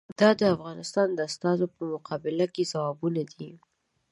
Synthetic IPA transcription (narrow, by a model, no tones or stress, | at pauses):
d̪̥ɑd̪əafɣɑnɪst̪ɑnd̪əast̪ɑzopəmʊqʰɑbɪlakezawɑbunad̪i